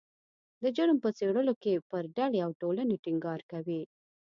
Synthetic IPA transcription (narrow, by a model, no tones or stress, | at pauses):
d̪əd͡ʒəɽəmpət͡seɽəlokepəɾɖaɽeawʈolaneʈɪŋɡɑɾkawi